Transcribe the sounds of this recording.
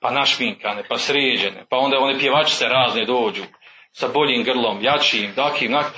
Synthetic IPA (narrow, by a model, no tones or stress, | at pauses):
panaʃmiŋkanepasɾeːd͡ʑenḛpao̞nd̪aonepjeʋat͡ʃi̥seɾaːzned̪oːd͡ʒuː | sabo̞ʎiːmɡr̩lˠomjat͡ʃiiːmd̪akʰiːnak